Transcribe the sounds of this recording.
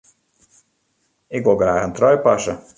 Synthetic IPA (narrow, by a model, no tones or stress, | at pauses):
ɪkʋɪlˠɣraːχəntrɔjpɑsə